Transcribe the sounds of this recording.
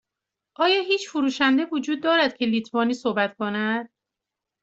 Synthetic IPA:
ʔɒːjɒːɦiːt͡ʃfuɾuːʃænd̪e̞vod͡ʒuːd̪ːɒːɾæd̪̥̚cʲʰe̞liːt̪ʰvɒːniːsohbæt̪kʰo̞næd̪̥̚

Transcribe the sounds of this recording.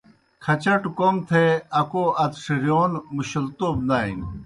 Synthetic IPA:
kʰɐt͡ɕɐʈkomt̪ʰeɐkoʔɐt̪ʂiɾjoːnmuɕɐlt̪oːb̚naːḭn

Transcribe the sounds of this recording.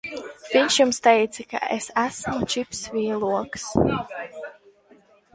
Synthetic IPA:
viɲʲʃjumst̪ɛjt̪sɨka̰ʔesæsmut͡ʃipsvʲiːlˠuɔks

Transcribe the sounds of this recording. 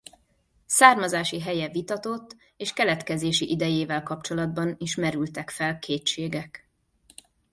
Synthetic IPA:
saːrmɒzaːʃiɦɛjɛvit̪ɒt̪o̞t̪ː | eːʃkɛlɛt̪kɛzeːʃiʔid̪ɛjeːvɛlkɒpt͡ʃo̞lɒd̪bɒniʃmɛɾylt̪ɛkfɛlkʰeːtʃeːɡɛk

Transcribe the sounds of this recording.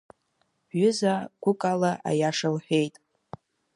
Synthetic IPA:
ɥʊzaɡʷʊkʼalaʔa̰jaʂalħʷᶣejtʼ

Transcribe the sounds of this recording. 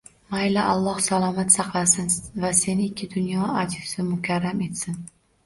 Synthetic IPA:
majlaʔalˠːɒhsalˠɒmat̪sɑqlˠasɪnvase̞nɪɪkʲʰːɪd̪ʊnjɒad͡ʒɪzɪmʊkʲʰaɾːame̞t̪sɪn

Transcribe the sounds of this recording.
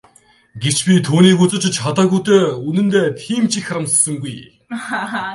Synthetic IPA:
ɡet͡ɕpʲit̪ʰuːniːkut͡sɵ̆t͡ɕt͡ɕʰχat̪aːɣujt̪eːunɘ̆nt̪eːt̪ʰiːmt͡ɕʰixʲaɾə̆mssə̆ŋɡuj

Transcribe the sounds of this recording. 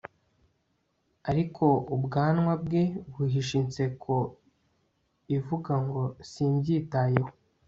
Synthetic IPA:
aɾikʰo̞ubɡaːnŋwabɡe̞βuɦiʃint͡se̞kʰo̞ | ivuɡaŋɡo̞siːmbɟiːtaːjeho

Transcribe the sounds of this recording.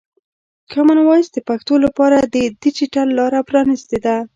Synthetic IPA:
kamanwɑjsd̪əpaxt̪olapɑɾad̪əd̪it͡ʃiʈalːɑɾapɾɑnist̪ed̪a

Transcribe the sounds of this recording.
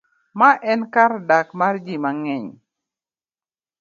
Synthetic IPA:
maʔɛnkardakmard͡ʒimaŋɛɲ

